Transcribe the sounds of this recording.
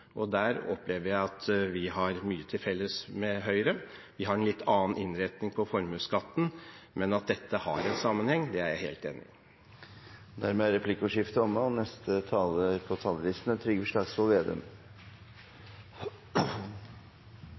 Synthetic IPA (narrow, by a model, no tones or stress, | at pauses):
ʔɔd̪æːɾɔpleːʋəɾjæɪɑt̪ʋɪɦɑɾmyːət̪ʰɪlfɛlːəsmɛɦœʏɾə | ʋɪɦɑɾɛnlɪt̪ːɑːnʔɪnɾɛt̪nɪŋpʰɔfɔɾmʉːskɑt̪ːn̩mɛnɑt̪̚d̪ɛt̪ːəhɑ̰ɾɛnsɑmːənhɛŋːd̪ɛæɾjæɪheːlt̪ḛːnɪ̰ | d̪æɾmɛːæɾɛpʰlɪkːʊʂɪft̪əɔmːəɔnɛst̪ət̪ʰɑːləpʰɔt̪ʰɑːləʋisn̩ət̪ʰɾʏɡəfʂlɑːɡsʋɔlʋeːd̪ə̰m